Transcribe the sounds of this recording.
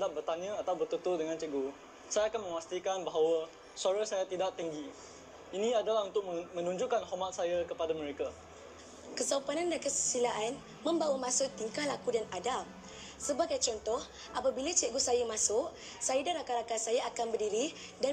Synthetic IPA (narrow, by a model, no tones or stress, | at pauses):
aʔ̚bərt̪aɲə̃at̪awbərt̪ət̪udəŋãnt͡ʃɛʔɡu | sajaakanmə̃mast̪ikanbaɦawə | suaɾasajat̪idaʔt̪iŋɡi | inĩadalaɦunt̪ʊk̚mə̃nũɲd͡ʒuʔkanhomat̪̚sajakəpadamə̃ɾeka | kəsaupanãndankəsəsilaʔan | mə̃mbawamãsʊʔt̪iŋkalakudanadal | səbaɡajt͡ʃɔnt̪ɔh | ʔapabilat͡ʃɛʔɡusajamasʊʔ | sajadanɾakaɾakasajaakanbərdiɾi | da